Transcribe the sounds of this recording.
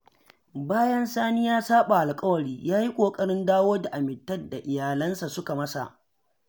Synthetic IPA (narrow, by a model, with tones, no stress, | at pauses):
baː˦jɐ˦nsaː˦nɪ˦jaː˦saː˦ɓa˨ʔa˨lkʼɐ˦wɐ˨ɽiː˦jaː˦ji˦kʷʼoː˨kʼɐ˦ɽɪ˦ndaː˦woː˦da˨ʔa˨mɪ˨tːɐ˦dːa˨ʔɪ˨jaː˨lɐ˦nsa˨sʊ˦ka˨mɐ˦sa̰˨ʔ